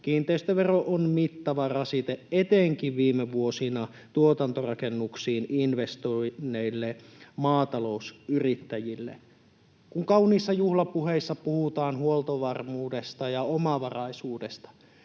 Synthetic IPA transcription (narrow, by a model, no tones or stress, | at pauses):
kiːnt̪eist̪øʋeroʔonmit̪ːɑʋɑrɑsit̪eʔet̪eŋkiʋʋiːmeʋuosinɑ | t̪uot̪ɑnt̪orɑkenːuksiːninʋest̪oinːeilːemɑːt̪ɑlo̞usyrit̪ːæjilːḛ | kuŋkɑuniːsːɑjuhlɑpuɦeisːɑpuhut̪ɑːnhuolt̪oʋɑrmuːdest̪ɑjɑomɑʋɑrɑisuːdest̪ɑ̥